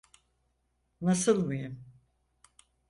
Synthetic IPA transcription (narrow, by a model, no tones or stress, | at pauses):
nasɯlˠmɯjum